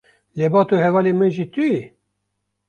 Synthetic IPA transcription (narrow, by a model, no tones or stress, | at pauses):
lebɑːt̪ohɛvɑːlemɛʒit̪uji